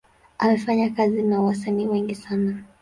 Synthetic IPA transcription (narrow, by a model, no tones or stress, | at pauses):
ʔamɛfaɲakazinawasaniːwɛŋɡisana